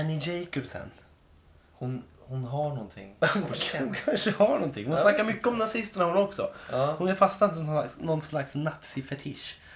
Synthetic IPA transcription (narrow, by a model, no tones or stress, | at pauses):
ɛnɪd͡ʒɛjkɔbsɛ̰n | hʊnhʊnɦaɳɔnt̪ʰɪ̰ŋhʊhʊnkʰanʂəhaɳɔnt̪ʰɪ̰ŋhʊnasnakːaɾmʏkːəɔmnasɪst̪əɳahʊnɔksɔ̰hʊnɛɾfast̪ant̪ənaksnɔnslaksnat̪sɪfɛt̪ʰɪʂ